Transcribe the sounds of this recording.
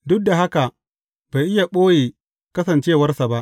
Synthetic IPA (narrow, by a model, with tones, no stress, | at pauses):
dʊ˦k̚da˨ɦa˦ka˨ | b̥a˨jʔɪ˦ja˨ɓoː˦jeː˨ | kɐ˦sɐ˨nt͡ʃeː˦wɐ˦rsa˨ba˦ʔ